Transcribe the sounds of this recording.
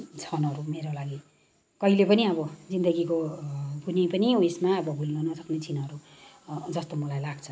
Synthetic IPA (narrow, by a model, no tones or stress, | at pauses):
t͡sʰʌnʌɾumeɾolaɡi | kʌilepʌniʌbʌd͡zind̪ʌɡikobunipʌniwesmaʌbʌbʱulnʌnʌsʌknet͡sʰinʌɾu | d͡zʌst̪omʌlajlaɡt͡sʰʌ